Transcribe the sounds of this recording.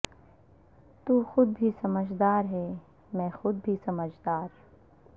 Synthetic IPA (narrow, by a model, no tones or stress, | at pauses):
t̪uːxʊd̪̚bʱisɐməd͡ʒd̪aːɾɦɛː | mɛ̃ːxʊd̪̚bʱisɐməd͡ʒd̪aːɾ